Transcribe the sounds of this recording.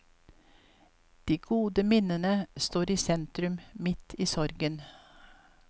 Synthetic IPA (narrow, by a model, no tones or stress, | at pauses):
d̪̥iːɡ̥uːd̪əmɪnənəst̪oːɾiːsɛnt̪ɾʉmmɪt̪ʰiːsɔɾɡən